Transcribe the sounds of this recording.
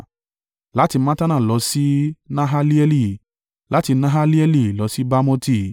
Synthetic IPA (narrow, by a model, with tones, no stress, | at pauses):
la˨˦ti˧mã˦ta˦nã˦˨lɔ˨˦si˦nã˦ɦa˦li˦ɛ˧li˧˨ | la˨˦ti˧nã˦ɦa˦li˦ɛ˧li˦˨lɔ˨˧˦si˦ba˦mõ˦ti˦˧